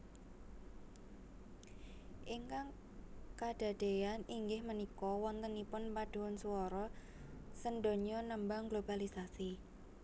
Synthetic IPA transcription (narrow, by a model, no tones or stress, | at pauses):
ʔiŋkaŋ | kad̥a̤d̪̥e̤janiŋɡɪhmənikɔwɔnt̪ənːipʊnpad̥o̤wɔnsuɔɾɔ | sənɖo̤ɲɔnəmbaŋɡlob̥alisasi